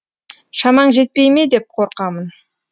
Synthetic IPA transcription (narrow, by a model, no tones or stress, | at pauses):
ʃɑmɑɴʒe̞t̪̚pe̞jme̞d̪e̞p̚qʰo̞ɾqɑmən